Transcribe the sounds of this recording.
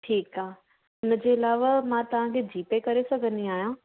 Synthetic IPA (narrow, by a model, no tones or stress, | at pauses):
ʈʰiːkaːɦ | ʊnəd͡ʑeːɪlaːʋamãt̪ɐʋ̤ãkʰed͡ʑiːpekɐɾesɐɡʱə̃nd̪iaːɦijãː